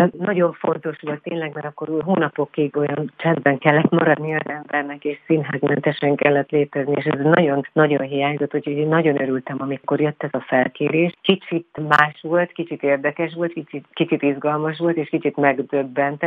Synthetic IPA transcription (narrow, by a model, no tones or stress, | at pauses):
nɒɟo̞ɱfo̞nt̪o̞ʃʋo̞lt̪ːeːnlɛɡmɛɾɒkːo̞ɾuɦoːnɒpo̞kːiɡo̞jɒnt͡ʃɛnd̪bɛŋkɛlːɛt̪mɒɾɒd̪niɒzɛmbɛrnɛkeːʃsinɦaːɡmɛnt̪ɛʃɛŋkɛlːɛt̪leːt̪ɛznieːʃɛznɒɟo̞nːɒɟo̞nɦijaːɲzot̪ːho̞conːɒɟo̞nøɾylt̪ɛmɒmiko̞rjøt̪ːɛzɒfɛlkeːɾeːʃt̪kit͡ʃit̪maːʃʋo̞lt̪kit͡ʃit̪eːrd̪ɛkɛʃʋo̞lt̪kit͡ʃit̪kit͡ʃit̪izɡɒlmɒʃ̬ʋo̞lt̪eːʃkit͡ʃit̪mɛɡd̪øbːɛnt̪ɛ